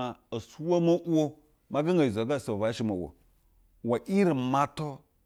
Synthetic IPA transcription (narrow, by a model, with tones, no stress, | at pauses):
a˨o˨su˦wa˦ma˦ʔo˦ | ma˦ɡa˦ŋɡa˨zo˨˦ɡa˦˨so˨va˨˦ʃi˦mo˨wo̰˨ | wa˨ʔi˦ɾi˨ma˦to˦